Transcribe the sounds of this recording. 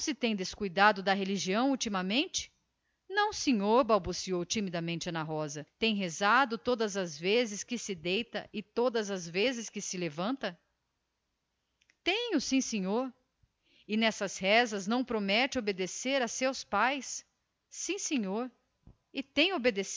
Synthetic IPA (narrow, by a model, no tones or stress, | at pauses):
sɪt̪ẽj̃d̪eskujd̪ad̪ʊd̪ɐɦeliʒiɐ̃w̃ut͡ʃimɐmẽnt͡ʃɪ̥ | nɐ̃w̃sẽɲoɾbawbusiowt͡ʃimid̪ɐmẽnt͡ʃɐnɐɦɔzɐt̪ẽj̃ɦezad̪ʊt̪od̪ɐzɐzvezɪskɪsɪd̪ejt̪ɐʔɪt̪od̪ɐzɐzvezɪskɪsɪlevɐ̃nt̪ɐ | t̪ẽj̃ʊsĩsẽɲoɾ | ɪnɛsɐshɛzɐznɐ̃w̃pɾomɛt͡ʃɪobed̪eseɾɐsewspajsː | ĩsẽɲoɾ | ɪt̪ẽj̃obed̪es